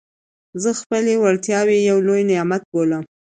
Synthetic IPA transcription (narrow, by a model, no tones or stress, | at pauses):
zəxpəlewaɽt̪jɑwejawlojnɪjɑmat̪̚boləm